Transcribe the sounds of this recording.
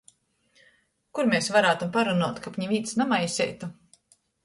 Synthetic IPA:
kuɾmʲesvaɾaːt̪umpaɾunuɔt̪kapɲʲivʲiːt̪snamajsʲɛ̰jt̪u

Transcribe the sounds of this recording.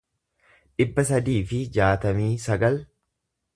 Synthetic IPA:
ᶑɪbːɐs̬ɐd̪iːfɪd͡ʒaːt̪ɐmiːsɐɡɐl

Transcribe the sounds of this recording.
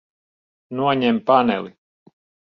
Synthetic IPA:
nuɔɲɛmpanɛ̰li

